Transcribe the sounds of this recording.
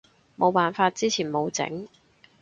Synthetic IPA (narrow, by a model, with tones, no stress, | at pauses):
mo˨˧wpaː˨nfaː˧t̚t͡siː˥t͡sʰiː˨˩nmo˨˧wt͡sɪ̰˨˥ŋ